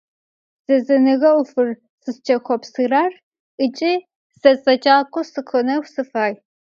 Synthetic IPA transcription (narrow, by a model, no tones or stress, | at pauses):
z̥ɐzɐnɨɣɐwʊfɨr | sɨst͡ʃʰʼɐxʷɔpsɨraːr | ʔɨt͡ʃʼi | zɐt͡sʼɐd͡ʒʼaːkʷʼɔsɨqʰɨnɐwsɨfaːj